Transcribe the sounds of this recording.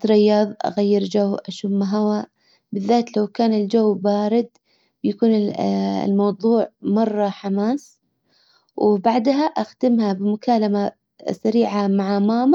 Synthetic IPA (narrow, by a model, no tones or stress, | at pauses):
t̪ɾɪjːɑːðˤʔa̰ɣajːɪɾd͡ʒawʔaʃuːmːaɦawa | bɪðːaːt̪lawkaːnɪld͡ʒawːbaːɾɪd̪ | bjakuːnɪ̰lmɑwðˤuːʕmɑrˤːɑħamaːs | wbaʕd̪ɦaʔaxd̪ɪmhabɪmʊkaːlama | saɾiːʕamaʕamaːma